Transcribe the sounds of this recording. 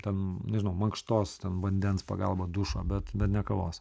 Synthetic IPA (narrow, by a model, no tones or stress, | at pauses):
t̪ʲɛnnʲɛʒʲɪnɐʊmɐŋkʃt̪oːst̪ʲɛnʋɐnʲd̪ʲɛnspɐ̰ɡɐlˠbɐd̪ʊʃo̰ːbʲɛt̪bʲɛt̪nʲɛkɐʋoːs